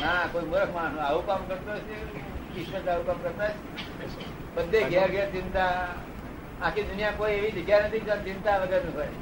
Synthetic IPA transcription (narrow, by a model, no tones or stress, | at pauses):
nakoimoɾəkʰmanũaʋukamkəɾt̪oɔt͡ʃʰeisət̪aʋukamkəɾt̪at͡ʃʰe | bəd̪ʱːeɡʱɛɾɡʱɛɾt͡ʃɪnt̪a | ãkʰid̪unijakoieʋid͡ʒəɡjanət̪ʰid͡ʒant͡ʃɪnt̪aʋəɡəɾnũɦoj